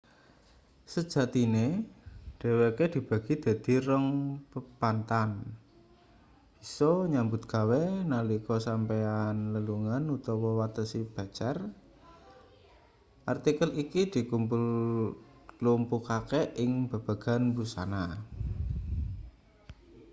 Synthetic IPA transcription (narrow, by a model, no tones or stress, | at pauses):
səd̥ʒ̥a̤t̪ineɖ̥e̤weked̪̥i̤b̥a̤ɡ̥i̤d̪̥ä̤d̪̥i̤rəŋpəpant̪an | b̥i̥̤sɔɲambʊt̪̚ɡ̥a̤wenalikɔsampeanləluŋanut̪ɔwɔwat̪əsib̥a̤t͡ʃɛr | ʔart̪ikəlikid̪̥i̤kumpul | klumpukakeɪŋb̥a̤b̥ä̤ɡ̥a̤nbusa̰na